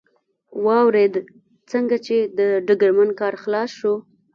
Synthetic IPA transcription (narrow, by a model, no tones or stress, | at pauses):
wɑwɾed̪ | t͡səŋɡat͡ʃed̪əɖəɡəɾmankɑɾxlɑsʃu